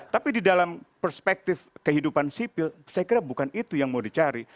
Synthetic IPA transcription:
t̪apididalampərspɛk̚t̪ɪfkəɦidupansipɪlsajakiɾabukanit̪ujaŋmawdit͡ʃaɾi

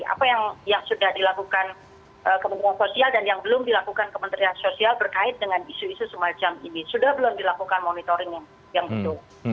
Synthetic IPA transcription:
ʔa̰pajaŋjaŋsudahdilakukan | ʔəkəmə̃nt̪ɾiansosialdanjaŋbəlʊmdilakukankəmənt̪ɾiansosialbərkaɪt̪̚dəŋanisuisusəmat͡ʃaminisudahbəlʊmdilakukanmonit̪oɾɪŋaŋ | jaŋbət̪ʊl

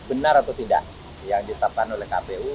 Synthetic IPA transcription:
bənaɾat̪awt̪ida̰ʔ | jaŋdit̪ap̚kanolɛhkapeu

